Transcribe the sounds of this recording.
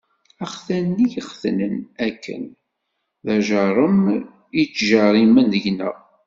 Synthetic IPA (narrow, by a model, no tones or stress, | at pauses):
æχθænːijəχθnənækːə̰n | ðæʒəɾˤəm | it͡sːʒɑɾˤimənðəʝnə̰ʁ